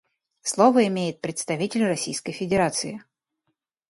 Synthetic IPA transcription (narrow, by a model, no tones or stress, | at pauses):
slˠovəɪmʲejɪt̪̚pɾʲɪt̪st̪ɐvʲitʲɪlʲrɐsʲijskəjfʲɪdʲɪɾat̪sɨɪ